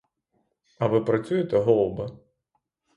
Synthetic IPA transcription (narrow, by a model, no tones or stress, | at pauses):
ɐvɨpɾat̪sʲujɛt̪ɛɦɔlˠbɐ